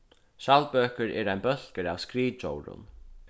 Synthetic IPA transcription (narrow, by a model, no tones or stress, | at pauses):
ʃalbøːkəɾɛ̰ːɾaɪjnbœɬkəɾawskɾiːt͡ʃɔ̰wɾʊ̰n